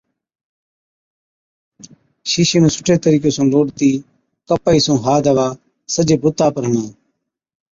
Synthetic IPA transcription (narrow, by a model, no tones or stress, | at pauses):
ʃiːʃẽːmẽːsʊ̥ʈʰeːt̪əɾiːk̬eːsõːloːɽt̪iː | kəpaːiːsõːɦaːd̪ʱəʋaː | səd͡ʒeːbʊt̪ːaːpəɾɦənãː